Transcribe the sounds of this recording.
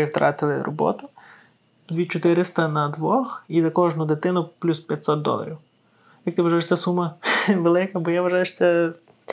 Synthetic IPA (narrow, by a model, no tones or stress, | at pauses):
ɪwt̪ɾɑ̰t̪ɪlˠɪrɔ̰bɔ̰t̪ʊ | d̪ʋʲit͡ʃɔt̪ɪɾɪst̪ɐnɐd̪ʋɔxizɐkɔʒnʊd̪ɪt̪ɪnʊplʲuspʲjɐtʲsʲɔt̪̚d̪ɔ̰lˠɐ̰ɾʲiw | jɐk̚t̪ɪʋɐʒɑjeʃt͡sʲɛsumɐʋelˠɪkɐbɔjaʋɐʒɑjeʃt͡sʲɛ